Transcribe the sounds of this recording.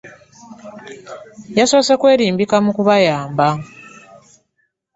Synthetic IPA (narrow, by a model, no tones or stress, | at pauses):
jaso̞ːsekwe̞ːɾiːmbikamukuβajaːmba